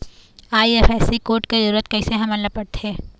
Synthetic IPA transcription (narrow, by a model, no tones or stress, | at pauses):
aːiefɛːsikoːɾʈkizɐɾuːɾət̪̚kɐɪseɦɐmɐlːɐpɐɽt̪ẽː